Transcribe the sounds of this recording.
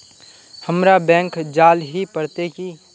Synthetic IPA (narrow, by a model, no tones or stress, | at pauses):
həmɾabɛ̃ːŋkd͡ʒaːlɦipəɽt̪eki